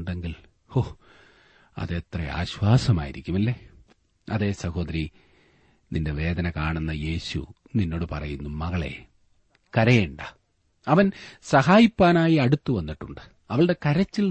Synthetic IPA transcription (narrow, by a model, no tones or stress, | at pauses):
ɳɖe̞ŋɡil | o | ɐ̰ðet̪rɐa̰ːɕwaːsɐma̰ːjiɾikʲːumɐlːe | ɐðe̞ːsɐho̞ːd̪ɐɾi | ninde̞ʋe̞ːd̪ɐnɐkaːɳunːɐje̞ːɕṵ | ninːo̞ːɽɨpɐrɐjunːumɐɣɐɭe̞̰ | kɐɾɐjeɳɖɐ | ɐʋɐnsɐɦaːjipːaːnaːjiɐɽut̪ːuʋɐnːiʈːuɳɖɨ̥ | ɐʋɐɭɨɽe̞kɐɾɐt͡ɕːil